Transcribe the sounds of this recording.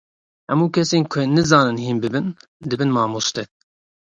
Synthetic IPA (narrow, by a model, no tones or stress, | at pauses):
hɛmuːkʰɛseːnkʷʰɛnɨzɑːnɨnhiːnbɨbɨn | d̪ɨbɨnmɑːmost̪ɛ